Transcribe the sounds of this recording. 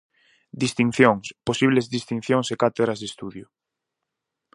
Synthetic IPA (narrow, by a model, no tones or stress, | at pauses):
d̪ist̪iŋθjoŋsposiβ̞lezðist̪inθjoŋsekat̪eðɾazðest̪uðjʊ